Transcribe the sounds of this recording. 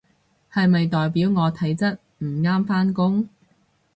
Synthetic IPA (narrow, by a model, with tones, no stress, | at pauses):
hɐ˨jmɐ˨jt̪ɔː˨jpiː˨˥wŋɔː˨˧t̪ʰɐ˨˥jt͡sɐ˥t̚ | m̩˨˩ŋaː˥mfaː˥nkʊ˥ŋ